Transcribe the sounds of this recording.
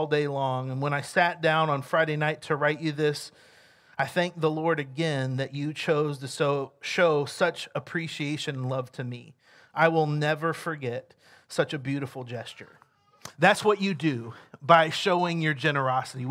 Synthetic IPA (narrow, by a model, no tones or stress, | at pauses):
lˠdeɪlɔ̃ŋɨ̃nwə̃ñaɪsæt̚d̥ãʊ̃nə̃nfɹaɪɾeɪnaɪtʰɨɹaɪt͡ʃɨðɪs | aɪθæ̃ŋk̚ðəlɔɹɾɨɡɛ̃nðɨt͡ʃɨt͡ʃʰoʊztɨsoʊʃoʊsʌt͡ʃəpʰɹ̥iʃieɪʃɨ̃ñn̩lʌv̥tʰɨmḭ | ʔaɪwɪlˠnɛvə˞fə˞ɡɛt̚ | sʌt͡ʃɨbjʉɾəfl̩ˠd͡ʒɛst͡ʃə̰˞ | ðætswʌt͡ʃɨdɨbaɪʃoʊɪ̃ŋjə˞d͡ʒɛñə˞ɑsəɾi